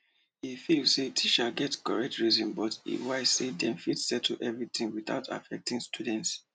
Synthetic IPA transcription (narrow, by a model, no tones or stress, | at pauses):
ifilsetʰit͡ʃaɡɛtkɔɹɛk̚tɹizɔ̃nbɔtḭwaɪ̥sedɛ̃mfitsɛtʰʔɛvɹiθĩŋwiθa̰ʊtʰa̰fɛk̚tĩŋstʰudɛ̃nts